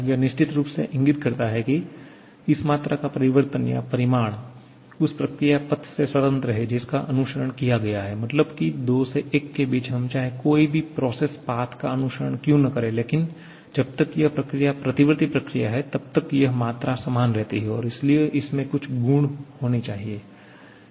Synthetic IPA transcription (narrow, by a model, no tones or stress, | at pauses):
jɐnɪʃt͡ʃɪt̪ɾuːpsḛʔɪ̃ŋɡɪt̪̚kɐɾt̪aɦɛki | ɪsmaːt̪ɾʔakapɐɾɪʋəɾt̪ənja̰pɐɾɪmaːɽ̃ | ʊspɾɐkɾijapɐt̪ʰseswɐt̪ə̃nt̪ɾɐɦed͡ʒɪska̰ʔɐnʊʃəɾəɳ̃kijaɡɐjaɦɛmɐt̪ləbkid̪oːseʔeːkːebiːt͡ʃɦɐmt͡ʃaːɦekoːibʱipɾɔːseːspaːt̪ʰkaɐnʊʃəɾəɳ̃kjũnɐkɐɾẽleːkɪn | d͡ʒɐb̚t̪ɐkjɐɦpɾɐkɾijapɾɐt̪ɪʋɾət̪ipɾɐkɾija̰ɦɛt̪ɐb̚t̪ɐkjɐɦmaːt̪ɾasɐmaːnɾɛɦt̪iɦɛɔːɾɪslieʔɪsmẽkʊt͡ʃʰɡuːɳhoːnit͡ʃaːɦieː